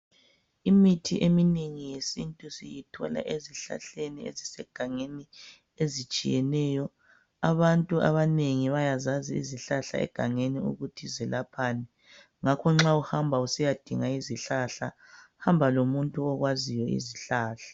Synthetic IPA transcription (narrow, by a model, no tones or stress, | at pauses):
imitʰiʔemineŋijesintʼusijitʰɔla̰ʔeziɬa̰ɬeniḛzisɛɡ̥ʱaŋeni | ezit͡ʃʼḭjɛnɛːjɔ | aβantʼuʔa̰βaneŋiβajazaziḭziɬaɬa̰ɛ̰ɡ̥ʱaŋeniṵɣutʰizɛlʔapʰaːnɛ | ŋakʰɔŋ͡ǁauhambʱausijad̥ʱiŋaiziɬaɬa̰ | hambʱalomuntʼuɔɣwazijɔḭziɬaːɬḁ